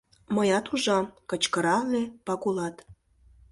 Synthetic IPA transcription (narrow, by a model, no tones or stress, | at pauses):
məjɑt̪uʒɑmkət͡ɕkəɾɑlepɑkulɑt̪